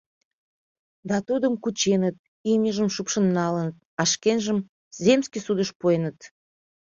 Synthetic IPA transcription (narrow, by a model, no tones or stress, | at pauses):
d̪ɑt̪ud̪əmkut͡ɕenət̪̚ | imʲəʒəmʃupʃənːɑlənət̪̚ɑʃkenʒəm | zʲemskisud̪əʃpojənət̪